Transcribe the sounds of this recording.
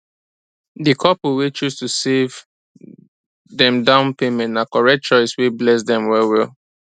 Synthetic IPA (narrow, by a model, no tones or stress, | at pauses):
dikʰɔpuwet͡ʃustusev | ðɛ̃mdãʊ̃npemɛ̃ntnakɔɹɛk̚t͡ʃɔɪsweblɛs̬dɛ̃mwɛwɛl